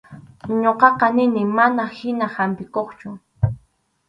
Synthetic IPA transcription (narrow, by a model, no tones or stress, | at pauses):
ɲoqɑqɑnɪnɪmanahɪnahampɪkoχt͡ʃʊ